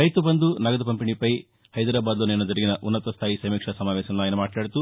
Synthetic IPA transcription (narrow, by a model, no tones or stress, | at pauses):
ɾɐjt̪ubɐnd̪unɐɡɐd̪ɐpɐmpiɳipɐj | hɐjd̪ɐɾaːbaːd̪loːnenɐd͡ʒ̪ɐɾɐɡinɐʔunːɐt̪ɐst̪ʰaːjisɐjmikʂɐsɐmaːʋɛːsɐnɐnːaːjɐnɐmaːʈlaːɽit̪u